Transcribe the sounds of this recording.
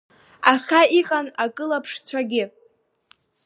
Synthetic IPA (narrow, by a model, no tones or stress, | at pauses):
aχʲaiqʼanakʼɨlapʰʂt͡sʷʰaɡʲɪ